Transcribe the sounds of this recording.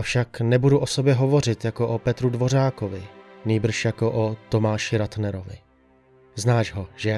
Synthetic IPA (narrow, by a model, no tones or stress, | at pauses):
ʔafʃaknɛbuduʔo̞so̞bjɛɦo̞vo̞r̝ɪt̪jako̞ʔopɛt̪ɾudvo̞ɾaːkovɪniːbr̩ʃjako̞ʔot̪o̞maːʃɪɾat̪nɛɾo̞vɪ̰ | znaːʃɦoʒ̥ɛ